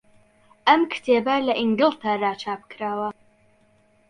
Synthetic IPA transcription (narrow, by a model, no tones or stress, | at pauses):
ɐmkʰɨ̥t̪ʰeːbɐlɐʔiŋɡɨlˠt̪ʰɐraːt͡ʃʰaːp̚kɾaːwɐ